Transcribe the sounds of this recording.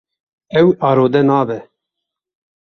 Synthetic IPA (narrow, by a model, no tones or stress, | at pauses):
ɛwɑːɾoːd̪ɛnɑːbɛ